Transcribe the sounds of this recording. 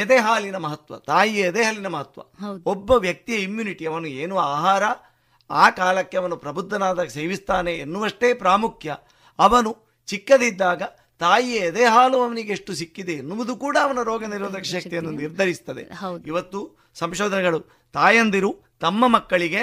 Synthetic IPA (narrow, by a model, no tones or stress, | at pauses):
ɐd̪eːɦaːlinɐmɐɦɐt̪ʋɐ̰t̪aːjiɐd̪eːɦaːlinɐmɐɦɐt̪ʋɐ̰obːɐʋjɐk̚t̪ijɐimjuːniʈiɐʋɐnueːnuaːɦaːɾɐ | aːkaːlɐkːe̞ɐʋɐnupɾɐbud̪ʱːɐnaːd̪ɐseːʋist̪aːne̞ːnːuʋɐʂʈe̞ːpɾaːmukʰjɐ | ɐʋɐnu | t͡ʃikːɐd̪id̪ːaːɡɐ | t̪aːjiɐɐd̪eːɦaːluɐʋɐniɡeeʂʈusikːid̪eːnːuʋɐd̪ukuːɽɐːʋɐnɐɾoːɡɐniɾʋɐd̪ɐkʂɐk̪ijɐnːuniɾd̪ʱɐɾist̪ɐd̪e̞̰iʋɐt̪ːu | sɐmʃoːd̪ʱɐnɛɡɐɭu | t̪aːjɐnd̪iɾu | t̪ɐmːɐmɐkːɐɭiɡe̞